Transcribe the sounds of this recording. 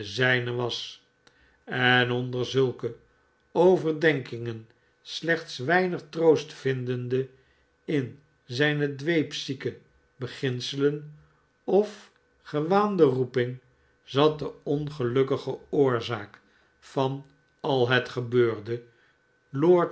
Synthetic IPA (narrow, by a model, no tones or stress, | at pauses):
əzɛjnəʋɑs | ɛnɔndəɹzɵlˠkə | owvərdɛŋkɪŋən | slɛχt̪sʋɛjnəχtrowstfɪndəndə | ɪn | zɛjnədʋejpsikə | bəχɪnsələn | ɔf | χəʋaːndərupɪŋ | zɑt̚dəɔnχəlɵkəχəʊːɹzaːk | fɑn | ɑlˠɦətχəbøːɹdə | loɹt